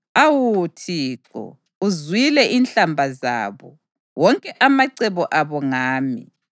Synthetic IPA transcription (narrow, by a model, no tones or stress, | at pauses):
awutʰiːǃɔ̰ | uzwilɛʔinɬambʱaza̰ːβɔ̰ | wɔŋkʼɛʔamaǀɛβɔʔaβɔŋaːmḭ